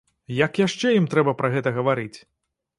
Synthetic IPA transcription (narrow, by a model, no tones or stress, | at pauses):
jɐkjaʂt͡ʂɛjimt̪ɾɛbɐpɾɐɣɛt̪ɐɣɐvaɾɨt͡sʲ